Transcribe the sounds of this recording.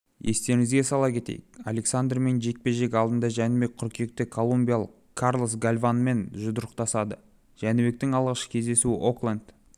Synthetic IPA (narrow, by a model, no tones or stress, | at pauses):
je̞st̪e̞ɾɪŋɪzɡʲe̞sɑlˠɑkʲʰe̞t̪ḛjɪ̰ka̰lʲe̞ksand̪rme̞nʒe̞k̚pe̞ʒe̞k̬ʲɑlˠd̪ənd̪ɑʒænɪbe̞k̚ʲqʰʊɾkʲie̞k̚t̪ɪkʰo̞lˠumbʲijalˠəq | kʰːarlˠosɡalʲvanme̞nʒʊd̪əɾəqt̪ɑsɑd̪ə | ʒ̥ænɪbe̞k̚t̪ɪŋɑlˠʁɑʃə̥kʲʰe̞zd̪e̞suɪʔoklˠand̪